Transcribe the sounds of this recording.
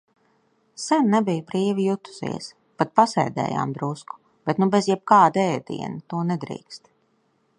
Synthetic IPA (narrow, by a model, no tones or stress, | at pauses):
sɛnnɛbijbɾiːvijut̪u̥zḭɛs | pat̪̚pasɛ̰jd̪ɛ̰ːja̰ːmd̪ɾusku̥ | b̥et̪nubezjɛb̚kaːd̪ɛːd̪ḭɛnat̪uɔnɛd̪ɾḭːkst̪